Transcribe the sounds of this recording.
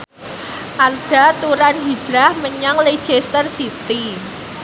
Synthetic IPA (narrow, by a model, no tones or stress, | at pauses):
ʔard̥a̤t̪uɾanɦi̥d͡ʒɾahməɲaŋle̥d͡ʒ̥est̪ərsit̪i